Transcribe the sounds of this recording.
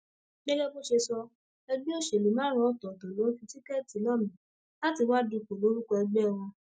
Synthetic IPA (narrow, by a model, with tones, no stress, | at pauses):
ɡɛ˦ɡɛ˦bo˦ʃe˧sɔ˧ | ɛ˧ɡ͡bi˦o˦˨ʃe˨li˨mã˨˦ɾ̃ɔ̃˨˦˨tɔ˨tɔ˨lo˨˦fĩ˧ti˦kɛ˦˨ti˨˦lɔ˦˨mĩ˨ | la˦ti˧wa˦du˧˨k͡po˨lo˨˦ɾu˦kɔ˧ɛ˧ɡ͡bɛ˦˨w̃ɔ̃˧